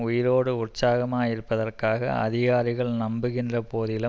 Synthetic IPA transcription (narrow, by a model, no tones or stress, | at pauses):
ʊjɪɾoːɽɯʊʈsaːɣɐmaːjɪɾɯpːɐðɐrkaːɣɐ̰ɐ̰ðɪɣaːɾɪɣɐɭnɐmbɯɣɪndrɐpoːðɪlɯ